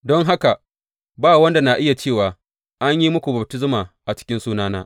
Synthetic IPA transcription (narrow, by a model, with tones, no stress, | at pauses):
dɔ˦ŋɦa˦ka˨ | baː˦˨wɐ˦nda˨na˨ʔɪ˦ja˨t͡ʃeː˦˨waː˨ | ʔa˦ɲji˦mʊ˦kʷu˨bɐ˨b̚tɪ˦s̬maː˨ʔa˨t͡ʃɪ̥˦kʲɪ˦nsuː˦naː˦naː˦